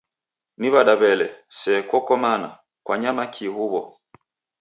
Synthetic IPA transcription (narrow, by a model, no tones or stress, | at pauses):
niβaɗaβɛlɛsɛkwɔkɔmana̰ | kwaɲamakʰihuβɔ̰